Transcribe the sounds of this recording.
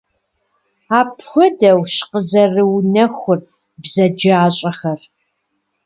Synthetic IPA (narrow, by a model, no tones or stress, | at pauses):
aːpxʷɔdɐwʃqəzɐrɨwnɐxʷʊr | bzɐd͡ʒaːɕʼɐxɐr